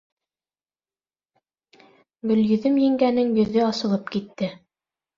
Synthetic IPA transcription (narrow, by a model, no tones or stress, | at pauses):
ɡɵ̆ljɵ̆ðɵmjɘ̆ŋɡænɘŋjɵ̆ðɵɑsɤ̆lˠɤpkit̪ːɘ